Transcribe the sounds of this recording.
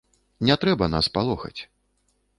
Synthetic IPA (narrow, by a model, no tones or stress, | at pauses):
nʲɛt̪ɾɛbɐna̰spalˠɔxɐ̰t͡sʲ